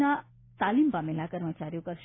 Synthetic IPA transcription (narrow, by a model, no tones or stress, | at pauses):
na | t̪alimbamelakəɾmət͡ʃaɾijokəɾʃ